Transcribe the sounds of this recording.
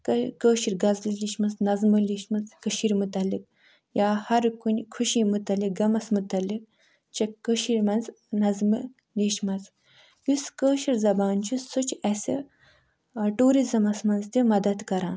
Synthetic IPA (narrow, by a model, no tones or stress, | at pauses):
kəːʃiɾɡɐzliliʃmɐnsnɐzmɨliʃmɐzkəʃiɾmut̪ɐlːik̚ | jaːhɐɾkunʲkʰuʃimut̪ɐlik̚ɡɐmɐsmut̪ɐlːik̚ | t͡ʃɐkːəʃiɾmɐnz | nɐzmɨ | liʃmɐz | juskəːʃiɾzɐbaːnt͡ʃʰusut͡ʃʰɐsḭ | ʈuːɾizɐmɐsmɐnzt̪ʲimɐd̪ɐd̪kɐɾãːn